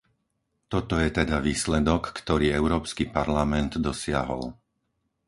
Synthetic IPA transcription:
t̪ɔt̪ɔjɛt̪ɛd̪aʋiːslɛd̪ɔkːt̪ɔɾiːɛʊɾɔːpskiːpaɾlamɛnd̪d̪ɔsɪa̰ɦɔ̰l

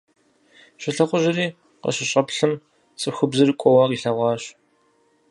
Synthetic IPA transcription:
ɕɪɬɐχʷʊʑɪriː | qɐ̰ɕɪɕʼɐpɬɨm | t͡sʼɨxʊbzɨrkʷʼɔwɐqiːɬɐʁʷɑːɕ

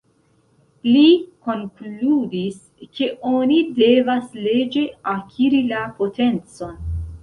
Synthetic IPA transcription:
liko̞ŋkludis | ke̞ʔo̞nide̞vasle̞d͡ʒe̞akʰiɾilapo̞te̞nt͡so̞n

